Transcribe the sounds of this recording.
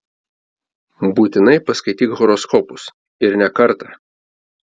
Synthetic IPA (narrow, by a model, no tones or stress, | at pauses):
buːt̪ʲɪnɐɪpɐskɐɪt̪ʲiːkɣɔɾɔskɔpʊs | ɪɾnʲɛkɐɾt̪ɑ